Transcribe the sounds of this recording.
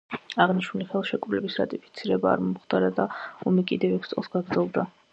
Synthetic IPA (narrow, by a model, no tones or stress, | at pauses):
aʁniʃnuliχɛlˠʃɛkʼɾulɛbisɾa̰t̪ʼipʰi̥t̪sʰiɾɛba̰ːɾmɔmχd̪aɾad̪aɔmikʼid̪ɛvɛkʰssʼɔ̰lˠsɡaɡɾd̪zɛlˠd̪a